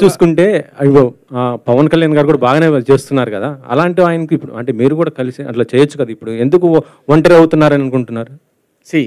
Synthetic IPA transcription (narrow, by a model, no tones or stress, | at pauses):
t͡ʃuːsu̥kuɳʈe̞ːiʋpɐʋɐnkɐljaːnɡaːɾikuːɽaːbaːɡɐne̞ːt͡ʃeːst̪unːaːɾukɐd̪aːɐ̰laːɳʈiaːjɐnɐkiipːuɽṵɐ̰ɳʈe̞ːmiːɾukuːɽaːkɐlisiɐ̰ʈlaːt͡ʃɛːjɐt͡ʃːu̥kɐd̪aipːuɽue̞nd̪uku | ʋɐɳʈɐɾɐwt̪unːaːɾɐnɐnukuɳʈunːaːɾu | si